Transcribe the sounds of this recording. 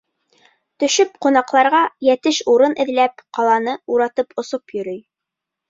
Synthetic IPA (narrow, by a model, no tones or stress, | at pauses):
t̪ɵ̆ʃɵpqunɑqlˠɑɾʁɑjæt̪ɘʃuɾɤnʔɘ̆ðlæp̚qɑlˠɑnɤuɾɑt̪ɤpʰŏsopjɵ̆ɾɵj